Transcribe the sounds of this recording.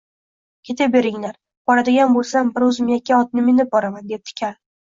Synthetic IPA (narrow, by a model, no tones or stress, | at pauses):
kʲʰe̞t̪ʰabe̞ɾɪŋlaɾ | b̥ɒɾad̪ɪɡʲanbolˠsambɪɾɵzmjakʲːaɒt̪̚nɪmɪnɪp̚bɒɾamand̪ep̚t̪ʰɪ̥kʲʰal